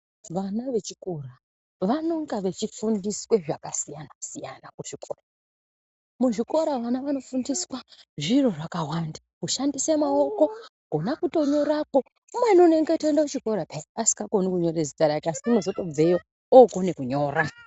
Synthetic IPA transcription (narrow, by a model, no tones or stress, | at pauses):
ʋanaʋe̞t͡ʃikura | ʋano̞ŋɡaʋe̞t͡ʃifundiswe̞ʐakasijanasija̰nakuʐikora | muʐiko̞ɾaʋanaʋano̞fundiswaʐiro̞ʐakawanda | uʃandise̞mao̞ko̞ | ɡ̥ʱo̞nakuto̞ɲo̞ɾako̞ | mwenone̞ŋɡetoendaut͡ʃiko̞ɾapeasi̥kɡaɡʱo̞nikuɲo̞ɾezitaɾakeasi̥uno̞zo̞to̞b͡vejo | oɡo̞ne̞kuɲo̞ra